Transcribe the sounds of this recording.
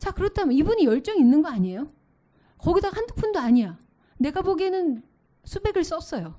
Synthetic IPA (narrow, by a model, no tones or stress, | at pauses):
t͡ɕakɯɾʌtʰamjʌnibuɲijʌɭt͡ɕ͈ʌŋinːɯnɡʌaɲie̞jo | kʌɡidahandɯk̚pʰundoaɲija | ne̞ɡaboɡenɯn | sʰube̞ɡɯɭs͈ʌp̚s͈ʌjo